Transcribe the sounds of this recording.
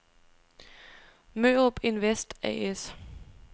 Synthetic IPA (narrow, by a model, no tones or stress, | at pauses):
møːɔb̥e̝nʋesd̥ɛ̰es